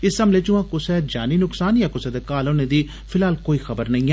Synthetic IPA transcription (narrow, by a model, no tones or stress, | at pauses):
ɪsəmleːt͡ʃʊʋãːkʊsɛːd͡ʒaːniːnʊksaːnjãːkʊsɛːd̪eːkaːloːnẽːd̪iː | pʰɪlaːlkoːiːxəbəɾnɐĩɛː